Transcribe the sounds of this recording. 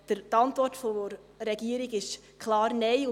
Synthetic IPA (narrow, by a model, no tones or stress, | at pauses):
d̥ət̪ɑntʋɔrtfo | ɾɛɡ̥iəɾiɡɪʃ | kʰlɑːɾnɛjʊ